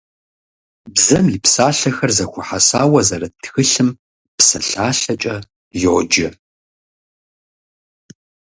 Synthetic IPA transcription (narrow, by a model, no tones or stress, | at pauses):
bzɐmipsaːɬɐxɐrzɐxʷʊħasaːwɐzɐɾɐtʰxɨɬɨm | psɐ̰ɬaːɬɐt͡ʃʼɐ | jod͡ʒɐ